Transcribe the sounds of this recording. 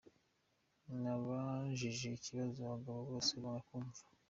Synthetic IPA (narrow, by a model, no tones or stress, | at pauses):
naβaʒiʒeiciβazoβaɡaβaβo̞ːseβanakuːɱvḁ